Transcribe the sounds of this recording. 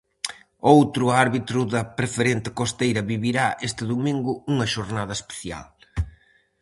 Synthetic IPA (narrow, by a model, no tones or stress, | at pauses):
owt̪ɾʊaɾβit̪ɾʊðɐpɾefeɾent̪ɪ̥kost̪ejɾɐβiβiɾaʔest̪ɪðumĩŋɡʊuŋɐʃoɾnað̞ɐespe̥θja̰l